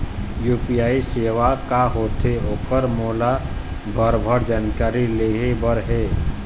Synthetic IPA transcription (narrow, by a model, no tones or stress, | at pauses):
juːpijaːiseːʋakaɦoːt̪ʰeoːkəɾmoːla | bʱəɾbʱəɾd͡ʒaːnkaːɾileːɦebʱəɾɦɛː